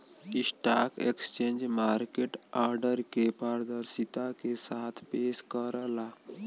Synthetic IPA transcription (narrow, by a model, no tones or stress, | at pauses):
kisʈakḛkst͡ʃẽnd͡ʒmaɾkeʈaɾɖəɾkepəɾəd̪əɾsit̪akesat̪ʰpeskəɾla